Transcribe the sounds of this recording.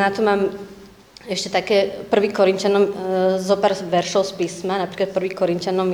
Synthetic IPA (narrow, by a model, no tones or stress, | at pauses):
nat̪ɔmaːm | ɛʃcɛt̪akɛːpr̩ʋiːkɔɾint͡ʃanɔmzɔpaːɾʋɛɾʃɔʊspiːsmanapɾiːklat̪̚pr̩ʋiːxkɔɾincanɔm